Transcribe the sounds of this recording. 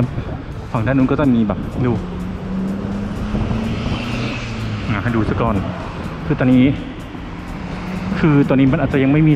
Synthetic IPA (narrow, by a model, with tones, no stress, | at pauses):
a˦˥p̚ | fʰaː˨˩˦ŋdaː˥˩˨nuː˧˥nkɔ˥˩t͡ɕa˧˩miː˧bɛː˨˩p̚duː˧ | haː˨˦ha˥˩jduː˧sa˧˩kɔː˨˧n | kʰɯː˧t̪ɔː˧niː˦˥ | kʰɯː˧t̪ɔː˧nːiː˦˥ma˧nʔːt̚t͡ɕa˨ja˧ŋma˥˩jmiː˧